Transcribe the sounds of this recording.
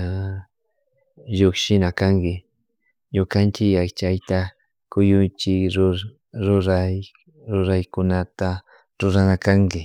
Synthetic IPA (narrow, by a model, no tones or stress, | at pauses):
jokʃɪnakaŋɡɪ | ɲokant͡ʃɪakt͡ʃajt̪a | kʊjʊnt͡ʃɪkɾ | ɾʊɾaj | ɾʊɾajkʊnat̪a | ɾʊɾanakaŋɡɪ